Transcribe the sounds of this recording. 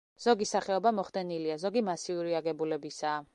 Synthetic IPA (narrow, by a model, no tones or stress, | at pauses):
z̥ɔɡisaχɛɔbamɔχd̪ɛniliazɔɡimasiuɾiaɡɛbulɛbisaː